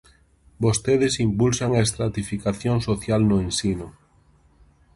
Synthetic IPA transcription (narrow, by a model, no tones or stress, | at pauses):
bost̪eðesimpulsaŋaest̪ɾat̪ifikaθjoŋsoθjalnʊensinʊ